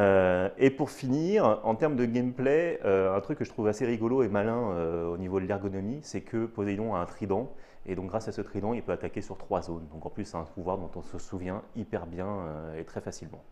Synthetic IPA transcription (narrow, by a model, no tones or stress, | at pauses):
øepuʁfiniʁɑ̃t̪ɛʁmd̪əɡɛmpleøɛ̃t̪χykːəʒət̪χuvaseʁiɡɔloemalɛ̃øonivod̪əlɛʁɡɔnɔmisɛkʰəpozed̪ɔ̃aɛ̃t̪χid̪ɑ̃ed̪ɔ̃k̚ɡʁasasət̪χid̪ɑ̃ilpøat̪akʲesyʁt̪χwazond̪ɔ̃kɑ̃plysɛɛ̃puvwaʁd̪ɔ̃t̪ɔ̃səsuvjɛ̃ipɛʁbjɛ̃øet̪χɛfasilmɑ̃